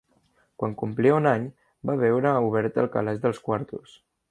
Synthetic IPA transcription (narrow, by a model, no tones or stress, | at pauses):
kwaŋkumpliunaɲ | baβɛwɾəuβ̞ɛɾt̪ə̰lˠkə̰lɛzðəlˠskwaɾt̪us